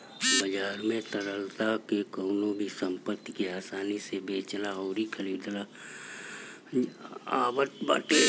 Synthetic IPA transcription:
bəd͡ʒaːɾmẽt̪əɾəlt̪akekoːnõbʱisə̃mpət̪ːikeaːsaːnisebeːt͡ʃlaɦoːɾikʰəliːd̪la | aːbət̪ba̰ːʈe

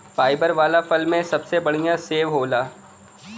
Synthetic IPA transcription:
paːɪbəɾʋaːlafʰɐlmẽsɐbsebɐɽ̤ijãseːʋɦoːlaː

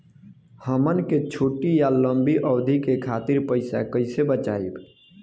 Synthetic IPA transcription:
həmənket͡ʃʰoːʈijaləmbʱiʔəːd̪ʱikekʰat̪iɾpəɪsa̰kəɪsebət͡ʃaib

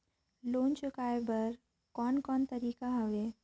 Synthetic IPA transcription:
loːnt͡ʃʊkaːebɐɾ | kɔːnkɔːnt̪ɐɾiːkaɦɐʋeː

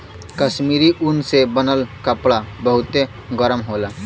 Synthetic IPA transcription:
kəsmiɾiʔunsebənəlkəpɽabəɦʊt̪e | ɡəɾəmɦoːla

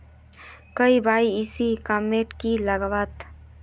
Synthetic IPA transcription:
kɐibaːiɪsikameːʈkilɐɡʋat̪

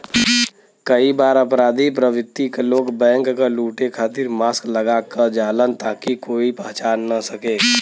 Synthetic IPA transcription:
kəibaːɾəpɾaːd̪ʱipɾəʋɪt̪ːikeloːɡbɛ̃ːŋkːaluːʈekʰaːt̪ɪɾmaːskləɡakəd͡ʒaːlənt̪aːkikoːipəɦt͡ʃaːnːəsəkeː

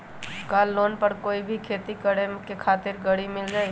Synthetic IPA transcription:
kaːlːoːnpɐɾkoːibʱikʰeːt̪ikəɽekekʰaːt̪ɪɾɡəɽimɪld͡ʒaːe

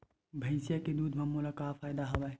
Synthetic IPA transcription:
bʱəɪsjaked̪uːd̪ʱmɐmulakafʰaːjd̪aɦoʋa

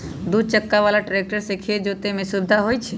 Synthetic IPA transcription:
d̪ud̪̚t͡ʃəkːaʋaːlaʈɾek̚ʈəɾsekʰed͡ʒot̪emẽsubd̪ʱaɦoːjt͡ʃʰe

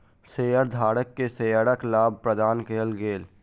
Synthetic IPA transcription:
seːjəɾd̪ʱaːɽəkːeseːjəɾəklaːb̚ʱpɾəd̪aːnkeːəlɡeːl

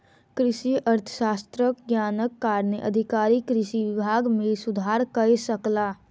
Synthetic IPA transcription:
kɾɪʃiʔəɾt̪ʰə̥ʃaːst̪ɾəkɡjaːnəkːaːɾnəʔə̰d̪ʱɪkaːɾikɾɪʃiʋɪbʱaːɡmẽsʊd̪ʱaːɾkəesəklaː

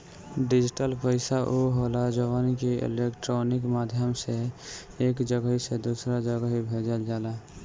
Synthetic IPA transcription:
ɖɪd͡ʒɪʈəlpəɪsaʔoɦoːlad͡ʒəʋənkeɪ̰leːkʈɾoːnɪkmaːd̪ʱjəmse | eːkd͡ʒəɡɦised̪uːsɾad͡ʒəɡaɦibʱeːd͡ʒəld͡ʒaːlaː

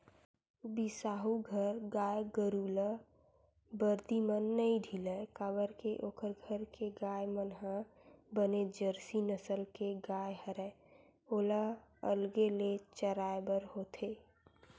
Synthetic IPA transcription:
bisaːɦuɡʱəɾɡaːjɡəɾuːlə | bəɾd̪imənːəĩɖʱiləkabəɾkeʔoːkəɾɡʱəɾkeɡaːjmənɦãbəned͡ʒəɾsinəsəlkeɡaːjhəɾɛː | oːlaə̰lɡelet͡ʃəɾaːebəɾhoːt̪ʰe

